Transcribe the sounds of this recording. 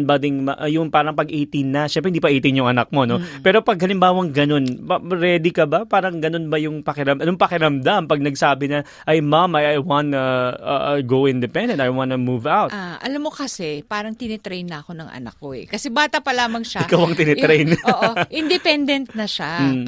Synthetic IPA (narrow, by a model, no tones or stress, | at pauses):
nbad̪ɪŋmɐʔjʊŋpaːɾɐŋpɐɡʔiːt̪ɪŋnɐʃɛmpɾɛhɪnd̪ipɐʔiːt̪ɪŋjʊŋʔɐnɐk̚mo̞no̞pɛːɾo̞pɐɡ̚hɐlɪmbaːwɐŋɡɐno̞npɐɾɛːd̪ikɐbapaːɾɐŋɡɐno̞nbɐjʊŋpɐkɪɾɐmɐnʊŋpɐkɪɾɐmd̪ampɐɡ̚nɐɡsaːbɪnɐ | ʔɐjmamɐjajwanɐɐ̰ɡowɪnd̪ɛpɛnd̪ɛnt̪ajwãnumuvawt̪̚aʔɐlamːo̞kɐsɛpaːɾɐŋt̪ɪnɛt̪ɾejnːɐɐko̞nɐŋʔɐ̰nɐ̰k̚ːoɛ̰kɐsɛbaːt̪ɐpɐlaːmɐŋʃaɪkawɐŋt̪ɪnɛɾɛjnːʔʔɪnd̪ɛpɛnd̪ɛnt̪̚nɐʃa